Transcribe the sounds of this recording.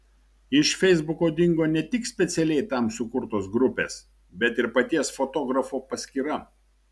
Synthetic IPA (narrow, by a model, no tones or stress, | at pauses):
ɪʃfʲɛɪzbʊkoːd̪ʲɪŋɡoːnʲɛt̪ʲɪksʲpʲɛt̪sʲɛlʲɛɪt̪ɐˑmsʊkʊɾt̪oːs̬ɡɾʊpʲḛːs | bʲɛt̪ɪɾpɐt̪ʲiɛsfoːt̪oːɡɾɐfuːpɐsʲkʲiːɾɐ